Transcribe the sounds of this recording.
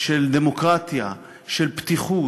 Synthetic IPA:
ʃɛld̪emokʁat̪ja | ʃɛlpt̪iχuː

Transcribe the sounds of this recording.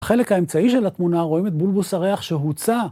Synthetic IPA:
χe̞le̞khae̞mt͡saiʃe̞lat̪munaʁoimet̪̚bulbusaʁe̞aχʃeɦut͡sa

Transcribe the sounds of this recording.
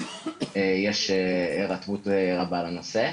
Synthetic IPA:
ejeʃeeʁat̪vut̪ʁabalanose

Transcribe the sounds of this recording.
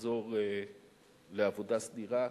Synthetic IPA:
zoʁ | leavodasdiʁa

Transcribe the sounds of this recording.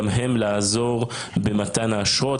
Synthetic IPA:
mɦemlaːzo̞ʁbematanaːʃʁo

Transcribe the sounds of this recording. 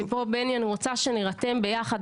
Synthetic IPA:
po̞benjaniʁot͡saʃeniʁat̪e̞mbe̞jaχad̪

